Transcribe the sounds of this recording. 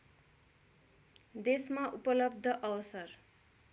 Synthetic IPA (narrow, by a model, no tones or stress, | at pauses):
d̪esmaʔupʌlʌb̚d̪ʱʌʔʌwʌsʌr